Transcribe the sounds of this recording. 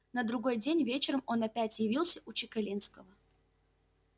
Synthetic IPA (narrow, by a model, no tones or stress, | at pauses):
nəd̪ɾʊɡo̞jdʲenʲvʲet͡ɕɪɾəmo̞nɐpʲætʲjɪvʲilˠsʲəʔʊt͡ɕɪkɐlʲinskəvə